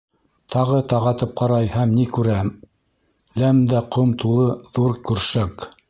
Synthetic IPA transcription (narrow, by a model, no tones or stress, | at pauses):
t̪ʰɑʁɤt̪ɑʁɑt̪ɤp̚qɑɾɑjhæmnikʉɾæm | læmd̪æqʰomt̪ulˠɤðuɾkʉɾʃæk